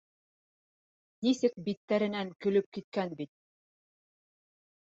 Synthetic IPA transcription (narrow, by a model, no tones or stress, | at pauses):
nisɘk̚bit̪ːæɾɘ̆næŋkɵ̆lɵp̚kit̪̚kænbit̪̚